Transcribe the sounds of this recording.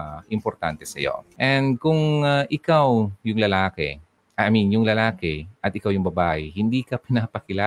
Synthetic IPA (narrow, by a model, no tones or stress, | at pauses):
ʔɪmpoɾt̪ant̪ɛsɐ̰jo̞̰ʔɛnd̪̚kʊŋʔɪkawjʊŋlɐlaːkɛ̰ | ʔɐaminjʊŋlɐlaːkɛʔɐt̪ɪkawjʊŋbɐbaːʔɪhɪnd̪iːkɐpɪnaːpɐkɪlaː